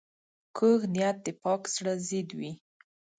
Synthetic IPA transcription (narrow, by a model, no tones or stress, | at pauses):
kəɣnijat̪̚d̪əpɑksɽazid̪wi